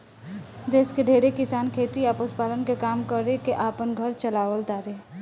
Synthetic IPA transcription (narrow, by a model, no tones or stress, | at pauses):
d̪eːskeɖʱeːɽekɪsaːnkʰeːt̪iaːpəspaːlənkekaːmkəɾekeʔaːpənɡʱəɾt͡ʃəlaːʋəlt̪aːɾeː